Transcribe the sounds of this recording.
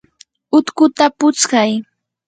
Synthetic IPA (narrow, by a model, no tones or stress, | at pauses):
ʊt̪kʊt̪apʊt͡skaj